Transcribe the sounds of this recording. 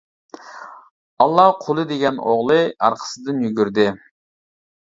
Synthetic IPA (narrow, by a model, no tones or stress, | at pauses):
ɑlˠːɑhqʰolˠɨd̪eɡʲɛnoʁlˠɨɑɾqʰə̥sɨd̪ɨnjyɡʲyɾd̪ɪ